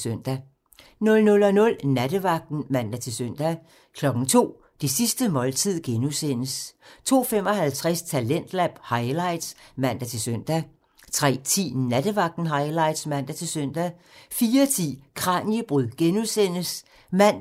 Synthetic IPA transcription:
søn̰d̥æ | nɔ̽lnɔ̽lɒ̽nɔ̽lnæd̥əʋɑ̈ɡ̥̚d̥n̩mæn̰d̥æt͡sʰe̝lsøn̰d̥æ | kʰlɒ̽ɡ̥ŋ̩t͡sʰo̝̰ː | d̥esisd̥əmɒ̽lt͡sʰið̞̰ˠɡ̥enusen̰əst͡sʰo̝̰ːfem̰ɒ̽hælt͡sʰʁɛst͡sʰælen̰d̥læb̥hɑ̈ɪlɑ̈ɪd̥smæn̰d̥æt͡sʰe̝lsøn̰d̥æ | t͡sʰʁɛ̰ːt͡sʰḭːnæd̥əʋɑ̈ɡ̥̚d̥n̩ɦɑ̈ɪlɑ̈ɪd̥smæn̰d̥æt͡sʰe̝lsøn̰d̥æ | fiːɐt͡sʰḭːkʰʁɑ̈njəb̥ʁyð̰ˠɡ̥enusen̰əs | mæn̰

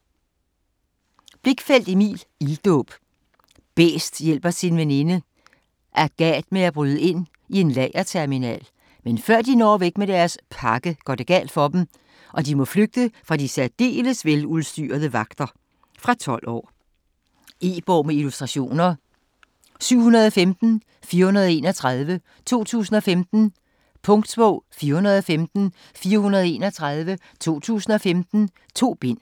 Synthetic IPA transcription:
b̥le̝ɡ̥fel̰d̥imḭːlild̥ɔ̰ːb̥ | b̥ḛːsd̥jel̰b̥ɐsinʋenenə | ʔæɐɡ̥ɛ̰d̥meæb̥ʁyːð̞ˠəe̝n̰ | ie̝nlɛːɪɐt͡sʰæɐminɛ̰ːl | menfɶɐ̰d̥inɒ̰ːʋeɡ̥med̥æɐspʰɑ̈ɡ̥əɡ̥ɶɐd̥e̝ɡ̥ɛ̰ːld̥fɒ̽d̥em̩ | ʔɒ̽d̥imɔ̽fløɡ̥̚d̥əfʁɑ̈d̥isæd̥e̝̰ːləsʋelulˠsd̥y̰ːɐð̞ˠəʋɑ̈ɡ̥d̥ɐ | fʁɑ̈t͡sʰɒ̽l̰ɒ̰ː | e̝ːb̥ɒʊ̰meilusd̥ʁɑ̈ɕo̝̰ːnɐ | syʊ̰hunɐðˠɒfemd̥n̩ | fiːɐhunɐð̞ˠe̝ːnɐt͡sʰʁɑðˠʋə | t͡sʰo̝̰ːt͡sʰṵːsn̩ɒ̽femd̥n̩ | pʰɔ̽ŋd̥sb̥ɔ̰ʊ̰fiːɐhunɐð̞ˠɒ̽femd̥n̩ | fiːɐhunɐð̞ˠe̝ːnɐt͡sʰʁɑð̞ˠʋə | t͡sʰo̝̰ːt͡sʰṵːsn̩ɒ̽femd̥n̩ | t͡sʰo̝̰ːb̥e̝n̰

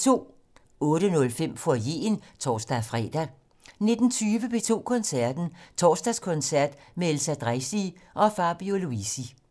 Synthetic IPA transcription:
t͡sʰo̝̰ː | ɔ̽ːɾ̥ənɔ̽lfem̰fɒje̝̰ːnt͡sʰɒ̰ːsd̥æfʁɛ̰d̥æ | ne̝d̥n̩t͡sʰyːʋəbe̝t͡sʰo̝̰ːkʰɔ̽nsæɐd̥n̩t͡sʰɒːsd̥æskʰɔ̽nsæɐ̰d̥meelsæd̥ʁasiʔɒ̽fɑ̈b̥ioluisi

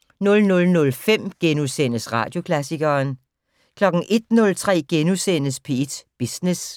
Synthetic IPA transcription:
nɔ̽lnɔ̽lnɔ̽lfem̰ɡ̥enusen̰əsʁɑ̈ːd̥jo̝kʰlæsiɡ̥ɐːn | kʰlɒ̽ɡ̥n̩ʔe̝d̥nɔ̽lt͡sʰʁɛ̰ːɡ̥enusen̰əspʰe̝ed̥b̥isnes

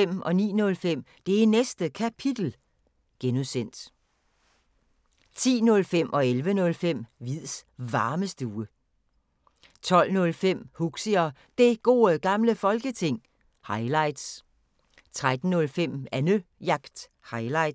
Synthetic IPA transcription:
em̰ʔɒ̽nḭːnɔ̽lfem̰d̥e̝ænesd̥əkʰæpʰid̥l̩ | ɡ̥enusen̰d̥ | t͡sʰḭːnɔ̽lfem̰ʔɒ̽elʋənɔ̽lfem̰ʋið̰ˠsʋɑ̈ːməsd̥uːə | t͡sʰɒ̽l̰nɔ̽lfem̰huɡ̥siɒ | d̥e̝ɡ̥o̝̰ːɡ̥ɑ̈mləfɒ̽lɡ̥ət͡sʰe̝ŋ̰ | hɑ̈ɪlɑ̈ɪd̥s | t͡sʰʁad̥n̩ːɔ̽lfem̰ænøjɑ̈ɡ̥d̥ | hɑ̈ɪlɑ̈ɪ̥

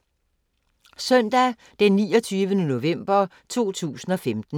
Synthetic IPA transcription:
sœn̰d̥æ | d̥enːiːɒt͡sʰyːʋənəno̝ʋem̰b̥ɐ | t͡sʰo̝̰ːt͡sʰṵːsn̩ɒ̽femd̥n̩

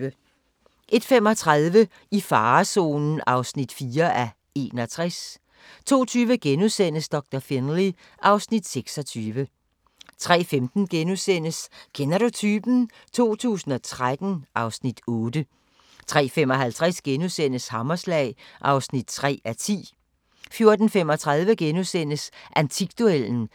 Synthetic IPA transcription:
ə | ʔe̝d̥fem̰ɒ̽t͡sʰʁaðˠʋə | ifɑ̈ːso̝̰ːnn̩ɑ̈ʊsnid̥fiːɐʔæ | e̝ːnɒt͡sʰʁas | t͡sʰo̝̰ːt͡sʰyːʋəɡ̥enusen̰əsd̥ɒ̽ɡ̥̚d̥ɐfenli | ʔɑ̈ʊsnid̥seɡ̥sɒ̽t͡sʰyːʋə | t͡sʰʁɛ̰ːfemd̥n̩ɡ̥enusen̰əsɡ̥ʰenɐɾo̝t͡sʰyːb̥n̩ | t͡sʰo̝̰ːt͡sʰṵːsn̩ɒ̽t͡sʰʁad̥n̩ʔɑ̈ʊsnid̥ɔːdə | t͡sʰʁɛ̰ːfem̰ɒ̽ɦælt͡sʰʁɛsɡ̥enusen̰əshɑmɐslɛ̰ːɪʔɑ̈ʊsnid̥̚t͡sʰʁɛ̰ːæt͡sʰḭː | fjo̝ɐd̥n̩femɒ̽t͡sʰʁäð̞ˠʋəɡ̥enusen̰əsʔænt͡sʰiɡ̥̚d̥oel̰n̩

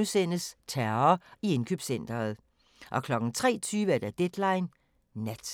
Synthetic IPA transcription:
usenəst͡sʰæɐɐie̝nkʰyb̥sen̰d̥ɐːð̞̩ˠ | ʔɒ̽kʰlɒ̽ɡ̥n̩t͡sʰʁɛ̰ːt͡sʰyːʋəæɐd̥æd̥ed̥lɑ̈ɪnː | æd̥

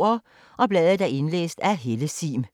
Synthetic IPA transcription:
ɐ | ʔɒ̽b̥lɛːðˠəd̥æe̝nlḛːsd̥æɦe̝ləsḭːm

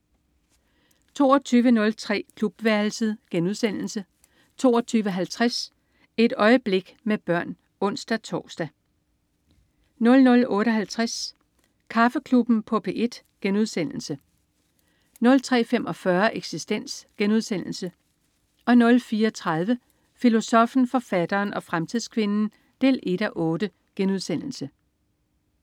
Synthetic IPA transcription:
t͡sʰo̝̰ːɒt͡sʰyːʋənɔ̽lt͡sʰʁɛ̰ːkʰlub̥ʋæɐl̩səð̩ˠɡ̥enuðˠsen̰l̩sə | t͡sʰo̝̰ːɒt͡sʰyːʋəɦælt͡sʰʁas | e̝d̥ɒ̽ɪəb̥le̝ɡ̥meb̥ɶɐ̰n | ɔ̽n̰sd̥æt͡sʰɒːsd̥æ | nɔ̽lnɔ̽lɔ̽ːɾəɒ̽ɦælt͡sʰʁas | kʰɑ̈fəkʰlub̥n̩pʰɒ̽pʰe̝ʔe̝d̥ | ɡ̥enuðˠsen̰l̩sə | nɔ̽lt͡sʰʁɛ̰ːfem̰ʔɒ̽fɶɐʔeɡ̥sisd̥en̰sɡ̥enuð̞ˠsen̰l̩sə | ʔɒ̽nɔ̽lfiːɐɒt͡sʰʁað̞ˠʋə | filo̝sɒ̽fn̩fɒ̽fæd̥ɐːnʔɒ̽fʁamt͡sʰiðˠskʰʋe̝nn̩ | d̥e̝̰ːlʔe̝d̥æʔɔ̽ːd̥ə | ɡ̥enuð̞ˠsen̰l̩sə

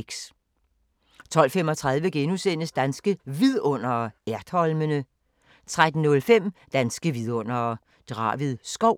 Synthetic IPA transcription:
ɡ̥s | t͡sʰɒ̽l̰femɒ̽t͡sʰʁað̞ˠʋəɡ̥enusen̰əsd̥ænsɡ̥əʋiðˠɔ̽n̰ɐæɐd̥hɒ̽lmənə | t͡sʰʁad̥n̩nɔ̽lfem̰d̥ænsɡ̥əʋið̞ˠɔ̽n̰ɐ | d̥ʁɑ̰̈ːʋiðˠsɡ̥ɒʊ̰

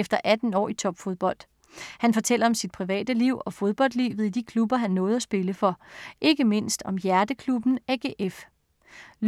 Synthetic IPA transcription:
efd̥ɐʔæd̥n̩ɒ̰ːit͡sʰɒ̽b̥fo̝ðˠb̥ɒ̽l̰d̥ | hænfɒ̽t͡sʰel̰ɐɒ̽msid̥̚pʰʁiʋɛ̰ːd̥əliʊ̰ɒ̽fo̝ð̞ˠb̥ɒ̽l̰d̥lḭːʋð̞̩ˠid̥ikʰlub̥ɐɦænːɔ̽ːð̞̩ˠæsb̥e̝ləfɒ̽ʔe̝ɡ̥əme̝n̰sd̥ɒ̽mjæɐd̥əkʰlub̥n̩eɡ̥eʔef | l

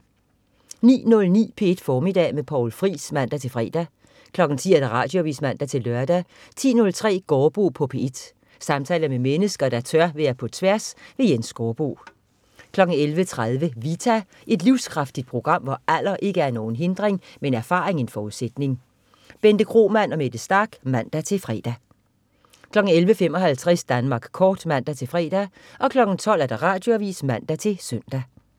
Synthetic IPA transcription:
nḭːnɔ̽lnḭːpʰe̝e̝d̥fɒːmid̥ɛ̰ːmepʰɒʊlfʁḭːsmæn̰d̥æt͡sʰe̝lfʁɛ̰ːd̥æ | kʰlɒ̽ɡ̥n̩t͡sʰḭːæɐd̥æʁɑ̰̈ːd̥joʋḭsmæn̰d̥æt͡sʰe̝lːɶɐd̥æ | t͡sʰḭːnɔ̽lt͡sʰʁɛ̰ːɡ̥ɒːb̥o̝̰ːpʰɒ̽pʰe̝e̝d̥ | sɑ̈mt͡sʰɛːlð̩ˠmemenəsɡ̥ɐd̥æt͡sʰɶɐ̰ʋeɐpʰɒ̽t͡sʰʋæɐsʋe̝jensɡ̥ɒːb̥o̝̰ː | kʰlɒ̽ɡ̥n̩elʋət͡sʰʁaðˠʋəʋit͡sʰæ | ʔe̝d̥liʊskʰʁɑ̈fd̥id̥̚pʰʁo̝ɡ̥ʁɑ̈m̰ʋɒʔæl̰ɐʔe̝ɡ̥əæɐno̝ːn̩ɦe̝nd̥ʁeŋmeenæɐfɑ̰̈ːʁeŋe̝nfɒːuðˠsed̥ne̝ŋ | b̥end̥əkʰʁo̝̰ːmæn̰ɒ̽med̥əsd̥ɑɡ̥mæn̰d̥æt͡sʰe̝fʁɛ̰ːd̥æ | kʰlɒ̽ɡ̥n̩elʋəfemɒ̽ɦælt͡sʰʁɛsd̥ænmɑ̈ːɡ̥kʰɒːd̥mæn̰d̥æt͡sʰe̝fʁɛ̰ːd̥æ | ʔɒ̽kʰlɒ̽ɡ̥n̩t͡sʰɒ̽l̰æɐd̥ɑ̈ʁɑ̈ːd̥jo̝æʋḭːsmæn̰d̥æt͡sʰe̝søn̰d̥æ

